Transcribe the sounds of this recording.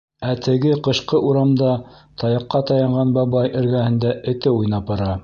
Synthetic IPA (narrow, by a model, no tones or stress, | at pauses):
æt̪ʰɘ̆ɡɘqɤ̆ʃqɤʔuɾɑmd̪ɑt̪ʰɑjɑ̆qːɑt̪ɑjɑɴʁɑnbɑβɑjʔɘ̆ɾɡæhɘ̆nd̪æɘ̆t̪ɘujnɑpɑ̆ɾɑ